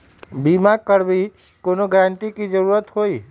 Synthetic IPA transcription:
biːmakəɾbʱi | koːnoɡəɾə̃ɳʈ̪ikid͡ʒəɾuːɾət̪ɦoːiː

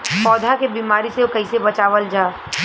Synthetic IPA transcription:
pɔːd̪ʱakebiːmaːɾiseokɐisebɐt͡ʃaːʋəld͡ʒaː

